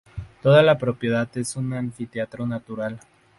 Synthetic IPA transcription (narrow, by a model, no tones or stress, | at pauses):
t̪o̞ðalapɾo̞pje̞ðaðe̞sunaɱfit̪eat̪ɾo̞nat̪uɾal